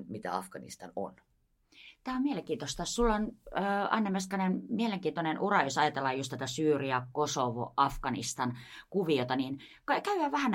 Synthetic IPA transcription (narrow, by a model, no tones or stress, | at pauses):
mit̪æ̰ɑ̰fkɑnḭst̪ɑno̰n | t̪æːommieleŋkiːt̪ost̪ɑsulːonːɑ̰nːemeskɑnenmieleŋkiːnt̪onenurɑjosɑjɑt̪elːɑjjust̪æt̪æsyːriɑkosoʋo̰ʔɑfkɑnḭst̪ɑnkuʋiot̪ɑninkkæyhæʋæhæn